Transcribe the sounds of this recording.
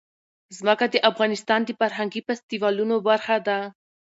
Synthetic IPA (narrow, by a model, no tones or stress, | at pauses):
zməkad̪əʔafɣɑnɪst̪ɑnd̪əfaɾɦaŋɡifast̪iwɑlunobaɾxad̪a